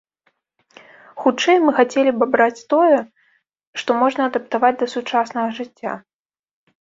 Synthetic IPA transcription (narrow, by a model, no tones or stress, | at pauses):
xut͡ʂɛjmɨxat͡sʲelʲibbɾat͡sʲt̪ɔjɛ | ʂt̪ɔmɔʐnɐːd̪ɐp̚t̪avad͡zʲd̪ɐsut͡ʂasnɐɣɐʐɨt͡sʲːa̰